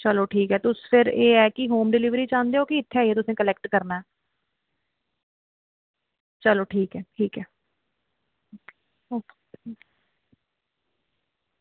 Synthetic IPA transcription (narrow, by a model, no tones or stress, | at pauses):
t͡ʃəloːʈʰiːkɛːt̪ʊspʰɪɾeːɛːkɪɦoːmɖɪlɪʋɾiːt͡ʃãːnd̪eːoːkɪɪt̪ʰːeaːieːt̪̬ʊsẽːkəlɛːkʈkəɾnaːɛː | t͡ʃəloːʈʰiːkɛːʈʰiːkɛː | o | oː